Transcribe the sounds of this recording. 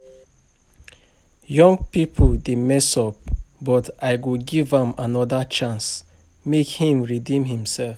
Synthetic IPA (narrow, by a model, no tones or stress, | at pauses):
jɔ̃ŋɡpipʰədemɛsɔp̚bɔtʔaɪɡoɡivãmanɔdat͡ʃãns | mekhĩmɹidĩmhĩmsɛlf